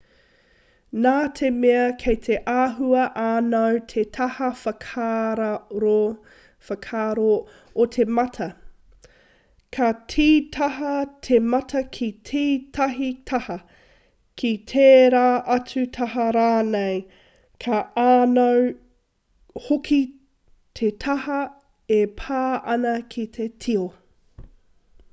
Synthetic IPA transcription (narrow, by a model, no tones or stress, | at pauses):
naːtʰe̞meɐkʰejt̪ʰeʔaːɦuɐʔaːnɐwtʰet̪ʰɐhɐfɐkʰaːɾɐɾo | fɐkʰaːɾo | ot̪ʰe̞mɐtʰɐ | kʰɐtʰiːtʰɐɦɐtʰemɐtʰɐkʰitʰiːtʰɐɦitʰɐhɐ | kʰit̪ʰeːɾaːʔɐt͡sʉtʰɐɦɐɾaːnej | kʰɐaːnɐw | hokʰi | t̪ʰetʰɐhɐ | epʰaːʔɐnɐkʰit̪ʰetʰio